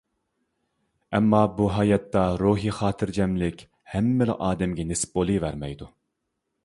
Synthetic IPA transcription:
ɛmːɑbuɦɑjɑt̪ːɑɾuɦiχɑːt̪ʰɨɾd͡ʒɛmlɪkʲ | hɛmːɪlɪ̰ʔɑːd̪ɛmɡʲɛnesɪ̥p̚bolˠɨvæɾmɛjd̪u

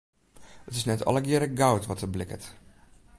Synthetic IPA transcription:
ətɪsnɛtʰɔ̰lˠəɡɪəɾəɡawtʋɔtəblɪkət

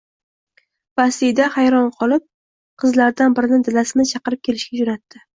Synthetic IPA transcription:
b̥asijd̪ahajɾɒnqʰɒlˠɪp̚ | qʰɨzlaɾd̪anbɪɾɪnɪd̪ɪlasɪnɪt͡ʃʰɑqɨɾɪp̚kʲʰe̞lɪʃkʲad͡ʒonat̪ːɪ

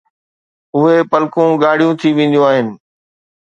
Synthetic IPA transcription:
ʊɦepɐlkõɡaːɽ̤ijũt̪ʰiʋẽːn̆d̪ijõaːɦɪnɪ̆

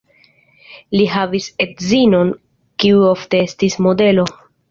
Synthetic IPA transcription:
liɦavise̞tzino̞n | kiuo̞fte̞estismo̞de̞lo̞

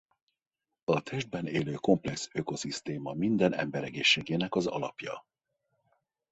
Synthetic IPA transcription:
ɒt̪ʰɛʒd̪̚bɛneːløːko̞mplɛksø̞ko̞sist̪eːmɒmind̪ɛnɛ̰mbɛɾɛɡeːʃːeːɡeːnɛkɒzɒ̰lɒ̰pjɒ̰

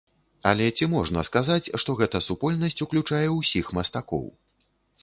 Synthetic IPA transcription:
ɐ̰lʲɛt͡sʲimɔʐnɐskazat͡sʲʂt̪ɔɣɛt̪ɐsupɔlʲnɐsʲt͡sʲuklʲut͡ʂajɛwsʲixmɐst̪akɔ̰w

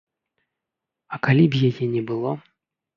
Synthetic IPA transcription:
ɐkalʲibjajɛnʲɛbɨlˠɔ

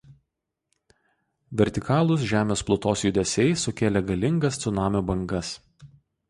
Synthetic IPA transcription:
ʋʲɛɾʲt̪ʲɪkɑːlˠʊs̬ʒʲæːmʲeːsplˠʊt̪oːsjʊd̪ʲɛsʲɛɪsʊkʲeːlʲɛɡɐlʲɪŋɡɐst̪sʊnɑːmʲoːbɐŋɡɐs

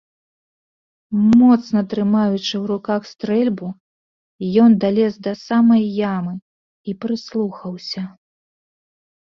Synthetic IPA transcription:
mɔt̪snɐt̪ɾɨmajut͡ʂɨwɾukaxst̪ɾɛlʲbu | jɔnd̪alʲɛzd̪ɐsamɐjːamɨ | ipɾɨslˠuxɐwsʲɐ

